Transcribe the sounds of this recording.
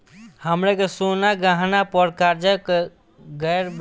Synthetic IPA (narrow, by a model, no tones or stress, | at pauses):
həmɾekesonaɡaɦnapəɾkaɾd͡ʒəke | ɡəjɾb